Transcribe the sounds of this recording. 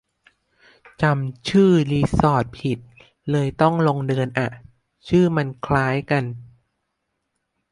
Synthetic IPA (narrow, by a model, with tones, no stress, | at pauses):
t͡ɕa˧mt͡ɕʰɯː˥˩liː˧sɔː˨˩t̪̚pʰi˨˩t̪̚ | lɤː˧jt̪ɔ˥˩ŋlo˧ŋdɯː˧ənʔa˨˩ʔ | t͡ɕʰɯː˥˩ma˧nkʰlaː˦˥jka˧n